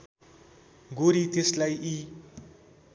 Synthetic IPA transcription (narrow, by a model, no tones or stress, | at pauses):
ɡoɾit̪eslajʔi